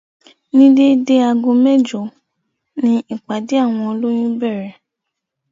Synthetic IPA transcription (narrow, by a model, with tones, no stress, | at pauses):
nĩ˦de˦de˦a˧ɡõ˧mɛ˦˨d͡ʒo˨˦ | nĩ˧i˦˨k͡pa˨de˨˦a˦˨w̃ɔ̃˧o˧lo˦j̃ĩ˦bɛ˦˨ɾɛ˨